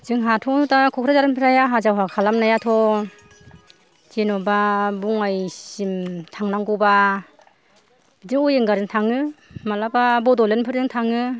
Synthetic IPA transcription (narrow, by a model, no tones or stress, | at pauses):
zɯŋɦatʰɔnutakʰɔkʰɾazaɾanpʰɯɾajaɦazawɦakʰalamnajatʰɔ | zenɔbabuŋajsimtʰaŋnaŋɡɔwba | b̥idɯŋɔjɯŋɡaɾɯŋtʰaŋɯmalababɔdɔlenpʰɯɾdɯŋtʰaŋɯ